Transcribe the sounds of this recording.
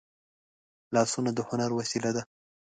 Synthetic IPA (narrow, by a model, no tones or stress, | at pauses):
lɑsunad̪əhʊnaɾwasilad̪a